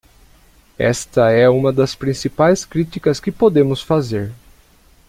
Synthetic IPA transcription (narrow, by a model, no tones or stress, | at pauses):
ɛ̰st̪ɐɛũmɐd̪ɐspɾĩsipajskɾit̪ikɐskɪpod̪ẽmʊsfazeɾ